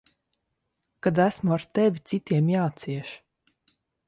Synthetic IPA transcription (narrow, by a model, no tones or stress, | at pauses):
kad̪æsmuaɾt̪ɛvʲit̪sit̪iɛmjaːt̪siɛʃ